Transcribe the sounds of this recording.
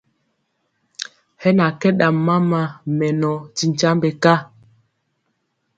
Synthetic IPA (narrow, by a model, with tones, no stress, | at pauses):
hɛ˦na˨kɛ˦ɗa˨mːa˦ma˦mɛ˨nɔ˨ti˨ɲ˨t͡ʃa˦mbɛ˨ka˦